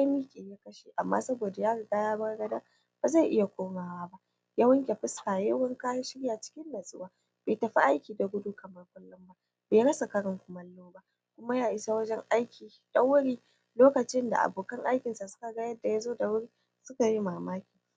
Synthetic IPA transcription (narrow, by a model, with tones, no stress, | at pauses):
a˦miː˦kʲʼeː˨ja˦kɐ˦ʃeː˨ʔa˨mːa̰˦sɐ˦boː˨da˨jaː˦ɡɐ˨ɡaː˦jaː˦bɐ˦rɡɐ˦da˦ | b̥a˨za˦˨ʔɪ˦ja˨kʷoː˦maː˨waː˦ba˦ʔ | jɐ˦wɐ˦ŋkʲe˨ɸɪ˦skaː˨jɐ˦wɐ˦ŋkaː˦ja˦ʃɪ˦ɽjaː˨t͡ʃɪ̥˦kʲɪ˦ndɐ˨sʼʊ̰˦waː˨ | b̥eː˨tɐ˨ɸi˦ʔa˦jkʲiː˨da˨ɡʷʊ˦du˦kɐ˨mɐ˦rkʷʼʊ˦lːʊ˦mba˦ | beː˨ɽɐ˦sa˨kɐ˦ɽɔ˨ŋkʷʊ˨mɐ˦lːoː˦ba˦˨ | kʷʊ˦ma˦jaː˦˨ʔɪ˨sa˦wɐ˦d͡ʒɛ˦ŋʔa˦jkʲʰiː˨ | d̥ɐ˦ŋwʊ˦ɽiː˦ | loː˦kɐ˨t͡ʃɪ˦nda̰˨ʔa̰˨boː˨kɐ˦ŋʔa˦jkʲɪ˨nsa˨sʊ̥˦ka˨ɡa˦jɐ˦dːa˨ja˦zoː˦da˨wʊ˦ɽiː˦ | sʊ˦ka˨ji˦maː˨maː˦kʲiː˨